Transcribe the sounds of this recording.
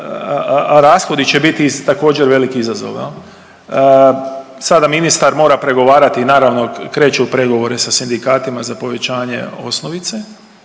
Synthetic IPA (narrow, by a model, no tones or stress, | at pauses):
ɾaːsxo̞d̪it͡ɕe̞bit̪it̪ako̞ːd͡ʑeɾʋe̞likiizazo̰ʋjḛl | sad̪aminist̪aɾmo̞ːɾapɾe̞ɡo̞ʋaːɾat̪inaːɾaʋno̞kɾe̞ːt͡ʃeupɾe̞ɡo̞ʋo̞ɾesasind̪ikaːt̪imazapo̞ʋe̞t͡ɕaːɲe̞̰o̞̰snoʋit̪se